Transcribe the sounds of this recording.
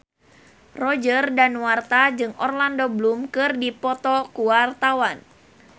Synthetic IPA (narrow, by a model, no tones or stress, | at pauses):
rɔd͡ʒərdanwart̪ad͡ʒɨŋɔrlandoblumkɨrdipɔt̪ɔkuwart̪awan